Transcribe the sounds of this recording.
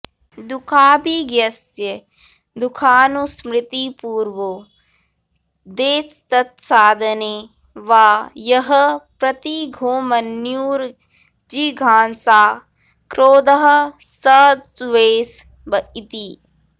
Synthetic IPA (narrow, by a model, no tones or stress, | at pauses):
d̪ukʰaːbiɡjɐs | jə | d̪ukʰaːnusmɾɪt̪ipuːɾʋo | d̪eːst̪ɐt̪̚saːd̪ʱɐneː | ʋaːjɐɦɐpɾɐt̪iɡʱoːmɐnjuːɾ | d͡ʒiɡʱaːnsaː | kɾoːd̪ɐɦɐ̆səːd̪sʋeːs | bɐit̪i